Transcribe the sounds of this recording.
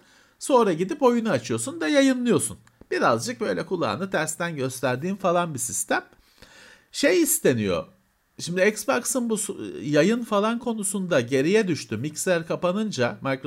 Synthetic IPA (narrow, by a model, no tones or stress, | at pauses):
so̞ːɾaɟid̪ipo̞junuat͡ʃʰɯjo̞sund̪ajajɯnlˠɯjo̞sun | b̥iɾazd͡ʒɯk̚bø̞jlʲɛkʰulˠa̰ːnɯt̪ʰæɾst̪ænɟø̞st̪ʰæɾd̪iːnfalˠanbisist̪ʰæm | ʃejist̪ʰe̞nijo̞̰ | ʃimd̪iɛcsbaksɯnbusjajɯnfalˠankʰo̞nusund̪aɟe̞ɾijɛd̪yʃt̪ʰymicsæɾkʰapanɯnd͡ʒamaɾkɾo